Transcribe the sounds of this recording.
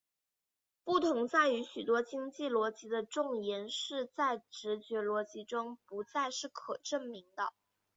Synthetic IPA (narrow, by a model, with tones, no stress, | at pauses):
pu˥˩t̪ʰʊ˧˥ŋt͡sa˥˩ɪy˧˥ɕy˨˩t̪wɔ˥t͡ɕi˥ŋt͡ɕi˥˩lwɔ˧˥t͡ɕi˧˥d̪ə˧ʈ͡ʂʊ˥˩ŋjɛ˧˥nʂɻ̩˥˧t͡sa˥˩ɪʈ͡ʂɻ̩˧˥t͡ɕɥɛ˧˥lwɔ˧˥t͡ɕi˧˥ʈ͡ʂʊ˥ŋpu˧˥t͡sa˥˧ɪʂɻ̩˥˩kʰɤ˨˩ʈ͡ʂə˥˩ŋmi˧˥ŋd̪ə˧